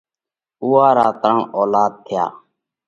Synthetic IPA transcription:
uːaːɾaːt̪ɾəɳoːlaːd̪̚t̪ʰɪja̰ː

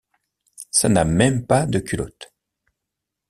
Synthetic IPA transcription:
sanamɛmpad̪əkʰʲylɔt̪

